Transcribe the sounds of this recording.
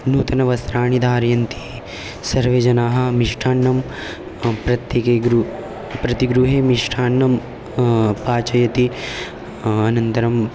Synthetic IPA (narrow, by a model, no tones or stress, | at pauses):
nuːt̪ɐnɐʋɐst̪ɾaːɳid̪ʱaːɾjɐnt̪i̥ | sɐɾʋeːd͡ʒɐnaːɦɐ̆miʂʈʰaːɳːɐm | pɾɐt̪jekeɡɾu | pɾɐt̪iɡɾuɦeːmiʂʈʰaːɳːɐm | paːt͡ʃɐjɐt̪i | ɐnɐnt̪ɐɾɐm